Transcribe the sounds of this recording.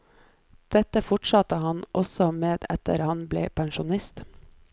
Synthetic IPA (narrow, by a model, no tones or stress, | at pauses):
d̪̥ɛt̪əfʊʈʃɑt̪əhɑnʔɔsɔmeːd̪ɛ̰t̪ə̰ɾhɑnblḛːpʰæŋʃʊnɪst̪